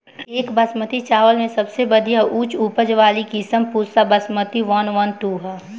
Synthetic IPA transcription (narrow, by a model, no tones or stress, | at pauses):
eːkbɐsmət̪it͡ʃaːʋəlmẽsɐbsebəd̪ʱijaʔuːt͡ʃuːpəd͡ʒʋaːlikisəmpuːɾsabɐsmət̪iʋɐnʋɐnʈuːɦɛː